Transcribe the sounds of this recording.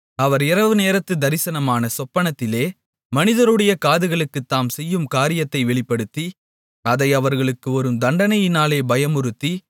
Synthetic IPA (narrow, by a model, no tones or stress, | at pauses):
ɐʋɐɾɪɾɐʋɯneːɾɐt̪ːɯd̪ɐɾɪsɐnɐmaːnɐsɔpːɐɳɐt̪ːɪleː | mɐnɪðɐɾɯɽɐjɐkaːðɯɣɐɭɯkːɯt̪ːaːmsɛjːɯmkaːɾɪjɐt̪ːɐɪʋɛɭɪpːɐɽɯt̪ːi | ɐðɐɪɐʋɐɾɣɐɭɯkːɯɔɾɯmd̪ɐɳɖɐnɐjɪnaːleːbɐjɐmɯɾɯt̪ːi